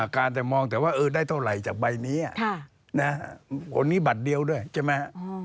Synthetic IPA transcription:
a˨˩kaː˧nt̪ɛː˨˩mɔː˧ŋt̪ɛː˨˩waː˥˩ʔɤː˧daː˥˩jt̪ʰa˧˥˩la˨˩jt͡ɕaː˨˩k̚ba˧jniː˦˥ʔa̰˨˩ʔʰ | na˦˥kʰo˧nːiː˦˥ba˨˩t̪̚di˧əwdu˥˩əjt͡ɕʰaː˧˩ma˦˥˧

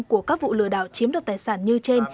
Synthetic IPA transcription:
ŋku˧˩əkaː˦˥k̚vṵ˧˨lɨ̰˧˩əɗa̰ː˧˨wt͡ɕi˨˦mɗa˨˩t̪̚aː˨˩jsaː˧˩nɲɨ˧t͡ɕe˧n

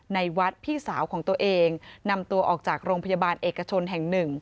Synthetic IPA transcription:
na˧jwa˦˥t̪̚pʰiː˥˩saː˩˦wkʰɔː˩˦ŋt̪u˧əʔeː˧ŋna˧mt̪u˧ɐʔɔː˨˩k̚t͡ɕaː˨˩k̚ɾoː˧ŋpʰa˧ja˧baː˧nʔeː˨˩kːa˧t͡ɕʰo˧nɦɛ˨˩ŋnɯ˨˩ŋ

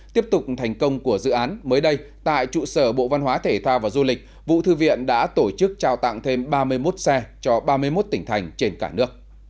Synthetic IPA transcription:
t̪i˦˥əp̚t̪ʊ˨˩k͡p̚t̪ʰa˨˩jŋ̟kə˧wŋ͡mku˧˩əzɨ̰˧˨ʔaː˨˦nməː˨˦jɗə˧jt̪a̰ː˧˨jt͡ɕṵ˧˨səː˧˩ɓo̰˧˨va˧nɦwaː˨˦t̪ʰe˧˩t̪ʰwaː˧vaː˨˩zu˧lï˨˩k̟̚ | vṵ˧˨t̪ʰɨ˧vḭ˧˨ənɗa̰ː˧˥t̪o˧˩t͡ɕɨ˦˥k̚t͡ɕaː˧˩wt̪a̰˧˨ŋt̪ʰe˧mɓaː˧mɨ˧əjmo˦˥t̚sɛ˧t͡ɕɔ˧ɓaː˧mɨ˧əjmo˦˥t̚t̪ï˧˩ŋ̟t̪ʰa˨˩jŋ̟t͡ɕe˧nkaː˧˩nɨ˦˥ək̚

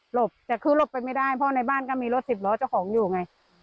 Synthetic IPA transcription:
lo˨˩p̚t͡ɕaː˨˩kʰɯː˧˩lo˨˩pːa˧jma˥˩jdaː˥˩jpʰɔː˦˥˩na˧jbaː˥˩nkɔː˥˩miː˧lo˦˥t̪̚si˨˩p̚lɔː˨˦˥t͡ɕa˥˩wkʰɔː˩˦ŋjuː˨˩ŋa˧j

